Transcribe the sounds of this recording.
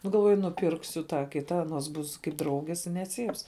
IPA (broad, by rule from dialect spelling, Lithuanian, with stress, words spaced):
ˈnʊ ɡɐlˠˈʋuɔjʊ nʊˈpʲɪrksʊ ˈtɑː ˈkʲɪtɐ ɐˈnoːs ˈbʊs kɐɪp ˈdrɐʊɡʲeːs ɪ nʲɛˈt͡sʲiːps